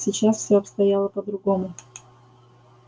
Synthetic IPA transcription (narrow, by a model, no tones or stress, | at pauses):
sʲɪt͡ɕasfsʲoɐpst̪ɐjalˠəpəd̪ɾʊɡomʊ